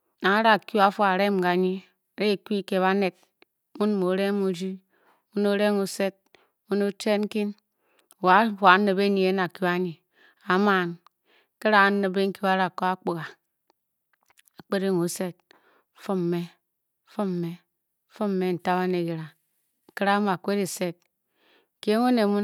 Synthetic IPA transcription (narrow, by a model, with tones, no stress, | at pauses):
na˨˦ɾa˨kju˦a˦fu˦a˨ɾe˦m˨ɡa˨ɲi˦˨ | ɾe˦˨kʷi˦ke˨βa˦ne˨t̚ | mu˦n˦mo˨˦ɾe˦mu˦d͡ʒi˦ | u˦no˦ɾe˦ŋo˨se˦t̚ | u˦no˦t͡ʃe˦ŋ̩˦ki˦n˨ | wa˨˦fa˨˦nɨ˨be˦ni˨e˦na˨kju˦a˦ɲi˨ | a˨ma˨n˦ | ke˦ɾa˦˨˦nɨ˨be˦ŋ̩˦ki˦wa˦ɾa˨ko˦a˦k͡pu˨ɣa˨ | a˨k͡pe˦ɾe˦ŋo˨˦se˦t̩̚˨˦ | fu˦m˨me˦ | fu˦m˨me˨˦ | fu˦m˦me˦n̩˨ta˦βa˦ne˨ɡi˨ɾa˨ | ŋ̩˨ki˦ɾa˦m˦˨a˨kʷe˦ɾi˨se˦t̚ | ke˦ŋo˦ne˨mu˦